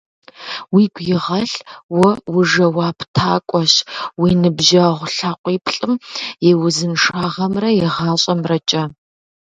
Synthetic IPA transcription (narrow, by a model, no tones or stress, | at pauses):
wiːɡʷjɪʁɐɬwɔwʊʐɐwaːpʰtʰaːkʷʼɔɕwiːnɨbʒɐʁʷɬaːqʷʼiːpʰɬʼɨmjɛwʊzɨnʂaːʁɐmrɐjɛʁɑːɕʼɐmrɐt͡ʃʼɐ